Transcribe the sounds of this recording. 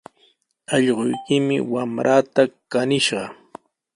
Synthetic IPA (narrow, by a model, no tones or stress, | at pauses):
ɑʎɢojkɪmɪ̰wamɾʔat̪akanɪʃɢɑ